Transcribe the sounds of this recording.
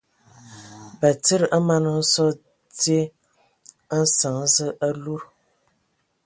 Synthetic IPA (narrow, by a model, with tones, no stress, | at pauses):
bə˨t͡sə˦ɾʔa˦ma˦nə˨˦sɔ˦ | tje˦ | n̩˦sa˨ŋzə˦ʔa˦lu˦ɾ